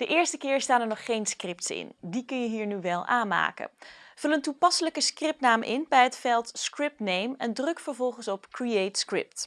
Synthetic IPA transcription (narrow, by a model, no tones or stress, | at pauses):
d̥əʔɪːɹstəkɪːɹstaːnɛɹnɔχːejnskrɪp̚tsɪ̰ndikɵnjəɦiːɹnyʋɛlˠʔaːna̰ːkə̰vɵləntupɑsələkəskrɪp̚tnaːmʔɪ̰nbɛjɦətfɛlˠtskrɪp̚tnejmɛndrɵkfəɹvɔlˠχənsɔpkɹiejtskrɪ̰p̚t